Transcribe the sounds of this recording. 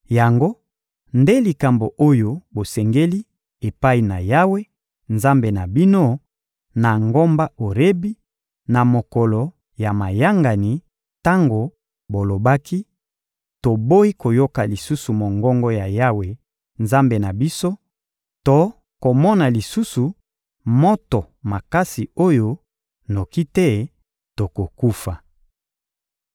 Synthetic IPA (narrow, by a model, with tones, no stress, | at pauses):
ja˨ŋɡo˦ | nde˦li˨ka˨mbo˨ʔo˦jo˨bo˨sɛ˨ŋɡe˦li˦ | e˨pa˦i˨na˨ja˦we˦ | nza˦mbe˨na˨bi˦no˦ | na˨ŋɡo˦mba˦o˨ʁe˦bi˦ | na˨mo˨kɔ˨lɔ˨ | ja˨ma˨ja˦ŋɡa˨ni˨˦ | ta˦ŋɡo˨ | bo˨lo˨ba˦ki˦ | to˨bo˦i˦ko˨jo˦ka˨li˨su˦su˨mo˨ŋɡɔ˦ŋɡɔ˦ja˨ja˦we˨ | nza˦mbe˨na˨bi˦so˦ | to˦ | ko˨mɔ˦na˨li˨su˦su˨ | mo˦to˨ | ma˨ka˦si˨o˦jo˦ | no˨ki˦tɛ˦ | to˨ko˨ku˦fa˨